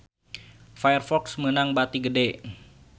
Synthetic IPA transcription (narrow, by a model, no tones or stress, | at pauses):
fajərfɔksmənaŋbat̪iɡədɛ